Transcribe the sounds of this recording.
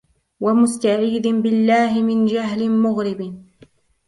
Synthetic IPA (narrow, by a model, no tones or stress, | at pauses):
wamʊst̪aʕiːd̪ɪbɪlːaːɦɪmɪnd͡ʒaɦlɪmʊɣɾɪb